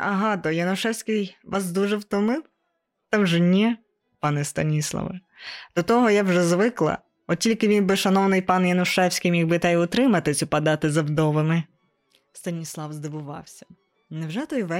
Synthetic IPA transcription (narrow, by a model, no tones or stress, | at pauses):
ɐɦɑd̪ɔjɐnʊʃɛwsʲkɪjʋʔɑs̬d̪uʒɛwt̪ɔmɪw | t̪ɐwʒɛnʲɛ | pɑnɪst̪ɐnʲislˠɐ̰ʋɪ | d̪̥ɔt̪ɔɦɔjawʒɛzʋɪklˠɐ̰ | ɔtʲilʲkɪʋʲinbɪʃɐnɔwnɪjpɑnjɐnʊʃɛwsʲkɪjmjʲiɡbɪt̪ɛjʊt̪ɾɪmɐt̪ɪt͡sʲʊpɐd̪ɑt̪ɪzɐwd̪ɔʋɪmɪ | st̪ɐnʲislˠɑwzd̪ɪʋʊʋɑ̰wsʲɐ̥ | nɛwʒɛt̪ɔjʋɛ